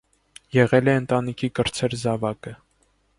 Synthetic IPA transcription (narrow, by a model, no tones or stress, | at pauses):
jɛʁɛlɛənt̪ɑnikʰikəɾt͡sʰɛɾzɑvɑkə